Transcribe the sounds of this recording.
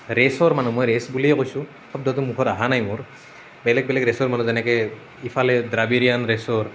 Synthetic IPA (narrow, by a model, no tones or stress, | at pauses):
ɾesɔɹmanumojɾesbuliɛkojsũ | kʰɔb̚d̪ɔt̪̬umukʰɔtaɦanajmuɹ | bɛlɛɡ̚bɛlɛkɾesɔɹmanuzɛnɛkɛ | ifʰalɛdɾabiɾijanɾesɔɹ